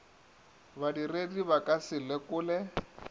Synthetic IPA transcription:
βadirediβakʼasɪlɛkʊːlɛ

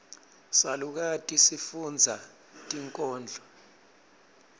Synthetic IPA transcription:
saluk̬atʼisifund͡zʱa | tʼiŋkʼɔːnd͡ɮʱɔ

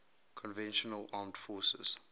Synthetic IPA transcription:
kʰɔ̃nvɛ̃nʃɔnəlɑːmtfɔːsə̰z̥

